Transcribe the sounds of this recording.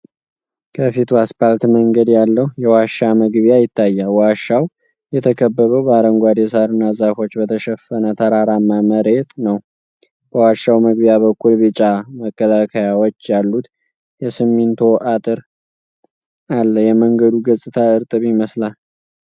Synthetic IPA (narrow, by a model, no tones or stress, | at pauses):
kʰəfit̪ʰuaspalt̪məŋɡəd̪jalːəhjɛwaʃːaməɡβjajɪt̪ʰːajːalwaʃːaw | jɛt̪ʰəkʰəbːəβəwbaɾəŋɡʷad̪jɛsaɾɨnːazafo̞t͡ʃːbət̪ʰəʃɛfːənət̪ʰəɾaɾamːaməɾe̞t̪nəw | b̥əwaʃːawməɡβjaβəkʰːulbɨt͡ʃʼaməkʰʼːəlakʰəjawot͡ʃːjalːut̪ | jɛsɨmːint̪ʰo̞ʔat̪ʼɨɾ | alːəjɛməŋɡəd̪uɡəsʼɨt̪ʰaɨɾt̪ʼɨβiməslal